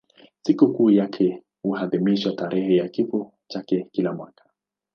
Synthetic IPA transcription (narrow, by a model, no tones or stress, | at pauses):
sikukuːjakʰɛ | huhaðimiʃwataɾʔɛhɛjakifɔ | t͡ʃakɛkilamwakḁ